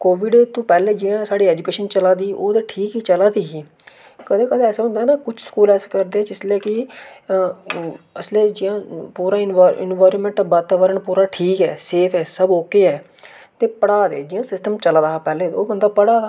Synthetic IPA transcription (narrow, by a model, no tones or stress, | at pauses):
koːʋɪɖt̪ũːpɛːleːd͡ʒɪjãːsaːɽiːɛːd͡ʒukeːʃənt͡ʃəlaːd̪iːʔoːd̪eːʈʰiːkɦiːt͡ʃəlaːd̪iːɦiː | kəd̪eːkəd̪eːɛːseːɦʊ̃nd̪aːnaːkʊt͡ʃʰsə̥kuːlɛːsekəɾd̪eːd͡ʒɪslɛːkɪ | əsleːd͡ʒɪjãːpuːɾaːɪnɪ̰nʋaːɾə̃nmɛ̃ɳʈbəɾt̪aːʋəɾəɳpuːɾaːʈʰiːkɛːseːpʰɛːsəboːkeːɛː | t̪eːpəɽaːd̪ḛːd͡ʒɪjãːsɪsʈəmt͡ʃəlaːd̪aːpɛːleːoːbənd̪aːpəɽaːd̪aː